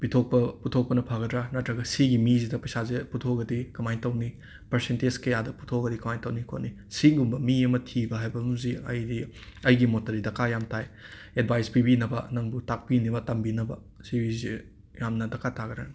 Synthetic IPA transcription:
b̥itʰok̚pɐputʰok̚pɐnɐpʰaɡɐdɾanɐtɾɐɡɐsiɡimizidɐpɐjsaziputʰoɡɐdikɐmajtɐwni | pɐɾsented͡ʒkɐjadɐpu̥tʰoɡɐdikɐmajtɐwnikʰo̰tni | siɡumbɐmiɐmɐtʰibɐɦajbɐmziɐ̰jdiɐjɡimotɐɾidɐkʰajamtʰaj | ed̚bʱajspibinɐbɐ̰nɐŋbutak̚pinibɐtɐmbinɐbɐ | sibizi | jamnɐdɐkʰatʰaɡɾan

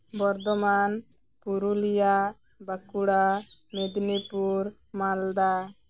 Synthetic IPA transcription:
bɔɾd̪ɔman | puɾulija | bakuɽamed̪nipuɾ | mald̪a

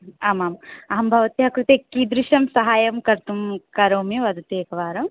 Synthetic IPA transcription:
aːmaːmɐɦɐmbʱɐʋɐt̪iɦɐkɾut̪ekiːd̪ɾiʃɐmsɐɦaːjɐmkɐɾt̪umkɐɾoːmiʋɐd̪ɐt̪eːkɐʋaːɾɐm

